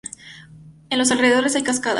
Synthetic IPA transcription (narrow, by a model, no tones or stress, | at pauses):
enlo̞s̬alre̞ðeðo̞ɾe̞sajkaskaða̰